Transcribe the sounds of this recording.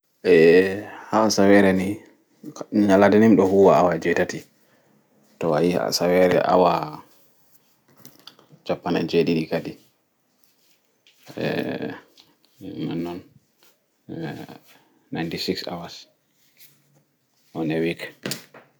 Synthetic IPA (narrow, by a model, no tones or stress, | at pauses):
ʔɛhawasawɛɾɛni | ɲaladɛnimɗɔhuwaawad͡ʒɛtati | tɔa̰jia̰sawɛɾɛ̰ʔa̰wa | d͡ʒapːanɛ̰d͡ʒeɗiɾikadi | ɛ̰ | manːɔn | ajntisiksa̰was | ʔɔnɛwik